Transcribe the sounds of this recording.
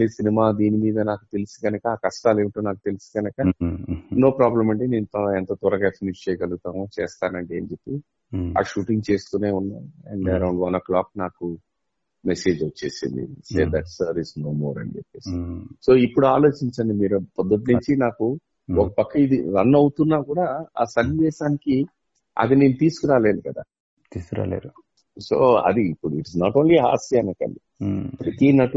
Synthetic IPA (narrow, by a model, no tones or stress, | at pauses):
isinimaːd̪iːnimiːd̪ɐnaːku̥t̪e̞lusi̥ɡɐnɐkɐaːkɐsʈaːleːʈoːnaːkut̪e̞lusi̥ɡɐnɐkɐ | no̞ːpɾaːblɐmɐɳʈeneːnt̪ɐɛnt̪ɐt̪ɔɾɐɡaefinist͡ʃeːjkɐluɡut̪aːnot͡ʃɛːst̪aːnɐɳʈeːnd͡ʒepːi | a̰ːʃuːʈiŋɡ̚t͡ʃe̞ːst̪uːne̞ːunːaːɾɛ̰ɳɖɐɾɐwɳɖʋɐnɐklaːk̚naːku | mese̞ːd͡ʒot͡ʃːe̞ːsḭnd̪ḭseːd̪ɐʈsɐɾʋisnoːmoːɾɐ̰ɳd͡ʒḛpːeːsɐso̞ːipːuɽuaːlo̞ːt͡ʃiɲt͡ʃɐɳɖimiːɾupɔd̪ːɐʈ̬inuɲt͡ʃinaːku | ɔkɐpɐkːɐid̪iɾɐnːɐwut̪unːaːkuːɽaːaːsɐniʋɛːʃaːniki | ɐ̰d̪ineːnut̪iːsu̥kuɾaːle̞ːd̪ukɐd̪a̰ː | t̪iːskɾa̰ːlḛːd̪u | so̰ːɐ̰d̪iːpːuɽuiʈisnaːʈo̞ːnliɦa̰ːsiɐnɐkɐ̰ni | pɾɐt̪inɐʈu